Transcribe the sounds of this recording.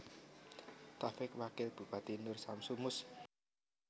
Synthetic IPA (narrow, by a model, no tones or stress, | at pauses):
t̪afɪkwakɪlb̥ṳpat̪inʊrsamsumʊs